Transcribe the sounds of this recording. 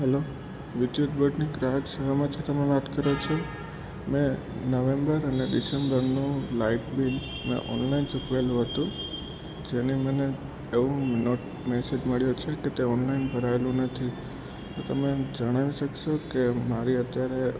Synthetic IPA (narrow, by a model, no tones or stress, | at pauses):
ɦɛlo | ʋɪd̪jut̪bəɖniɡɾaɦəksəʋamãt̪ʰit̪əmeʋat̪kəɾot͡ʃʰo | mẽ | nəʋembəɾəneɖisembəɾnũlaiʈbil | mḛ̃ʔɔ̰nlaint͡ʃukʋelũɦət̪ũ | d͡ʒeniməne | eʋũnɔʈ | mɛsed͡ʒməɭjot͡ʃʰeket̪eɔnlainbʱəɾaelũnət̪ʰi | t̪ot̪əmed͡ʒəɽ̃aʋiʃəkʃokemaɾiət̪jaɾe